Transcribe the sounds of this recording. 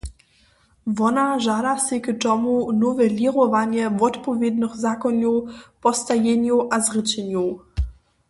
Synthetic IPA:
vɔnaʒadaseɡtɔmunɔvɛlʲiʁɔvaɲjɛvɔtpɔvʲjɛd̪nəxzakɔnupɔst̪ajɛɲjuʔazʁɪt͡ɕɛɲju

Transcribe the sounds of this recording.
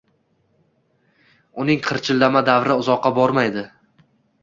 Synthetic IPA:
ʊnɪŋqʰɨɾt͡ʃʰɪlːamad̪avɾɪʊzɒqːɑbɒɾmajd̪ɪ

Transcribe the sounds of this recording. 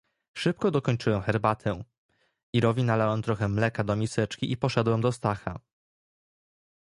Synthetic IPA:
ʂɘp̚kɔd̪ɔkɔɲt͡ʂɘwɛmxɛɾbat̪ʰɛ | iɾɔvʲinalawɛmt̪ɾɔxɛmlɛkad̪ɔmʲisɛt͡ʂkʲiʔipɔʂɛd̪wɛmd̪ɔst̪axa

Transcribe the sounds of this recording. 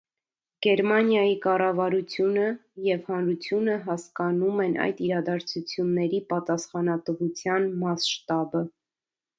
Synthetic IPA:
ɡ̥ɛɾmɑnjɑjikɑrɑvɑɾut͡sʰjunəjɛvhɑnɾut͡sʰjunəɦɑskɑnumɛnʔɑ̰jd̪iɾɑd̪ɑɾt͡sʰut͡sʰjunːɛɾipɑt̪ɑsχɑnɑt̪vut͡sʰjɑnmɑsʃt̪ɑbə

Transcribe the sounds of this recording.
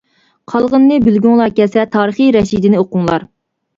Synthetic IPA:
qʰɑlˠʁənːɨbylɡʲyŋlˠɑkʲɛsɛt̪ʰɑːɾəχiɾɛʃid̪ɪnɪoqʊŋlˠɑ̰ɾ

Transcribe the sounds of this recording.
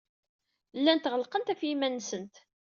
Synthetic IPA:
lːænt̪ʁəlqənt̪æfimænːsənt̪

